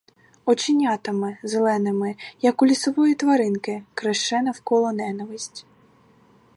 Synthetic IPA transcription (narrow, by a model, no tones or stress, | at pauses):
ɔt͡ʃɪnʲat̪ɪmɪzelˠɛnɪmɪjɐkʊlʲisɔʋɔjit̪ʋɐɾɪnkɪkɾɐʃt͡ʃɛnɐwkɔlˠɔnɛnɐʋɪsʲtʲ